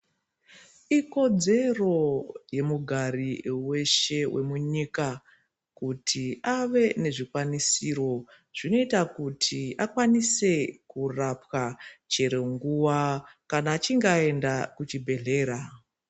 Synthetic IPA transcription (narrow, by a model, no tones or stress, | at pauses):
iko̞d͡ze̞ro̞je̞muɡʱaɾiwe̞ʃe̞wʔe̞̰muɲika | kutʰiaʋe̞ne̞ʐikwanisiɾo̞ | ʐ̥ino̞itakutʰiakwanise̞kurapwat͡ʃe̞ɾe̞ŋɡuwakanaːt͡ʃiŋɡae̞ndakut͡ʃibʱe̞ɮe̞ːɾa